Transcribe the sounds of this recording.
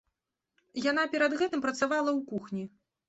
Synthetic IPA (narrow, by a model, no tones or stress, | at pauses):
jan̪apʲɛɾɐd̪ɣɛt̪ɨmpɾɐt̪savalˠɐwkuxnʲi